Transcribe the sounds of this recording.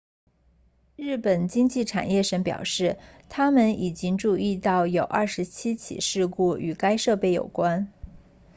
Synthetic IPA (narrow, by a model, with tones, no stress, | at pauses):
ɻɻ̩˥˩pə˨˩nt͡ɕi˥ŋt͡ɕi˥˩ʈ͡ʂʰa̰˨˩njɛ˥˩ʂə˧˥npjɑ̰˨˩ʊʂɻ̩˥˩t̪ʰa˥mə˥˨ni˨˩t͡ɕi˥ŋʈ͡ʂu˥˧i˥˧t̪ɑ˥˩ʊjo˨˩ʊʔɐ˞˥˧ʂɻ̩˧˥t͡ɕʰi˥t͡ɕʰḭ˨˩ʂɻ̩˥˧ku˥˩y˨˩ka˥ɪʂɤ˥˧pe˥˩ɪjo̰˨˩ʊkwa˥n